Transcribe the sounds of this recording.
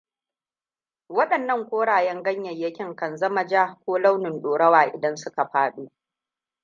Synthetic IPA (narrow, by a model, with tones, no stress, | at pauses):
wɐ˦ɗɐ˨nːɐ˦˨ŋkʷoː˦ɽaː˨jɛ˦ŋɡɐ˦ɲjɐ˨jjɐ˦kʲɪ˦ŋkɐ˨nzɐ˦mɐ˨d͡ʒaː˦kʷoː˦la˦wnɪ˨nɗoː˨ɽɐ˦waː˨ʔɪ̰˨dɐ˦nsʊ˦ka˨ɸaː˦ɗuː˦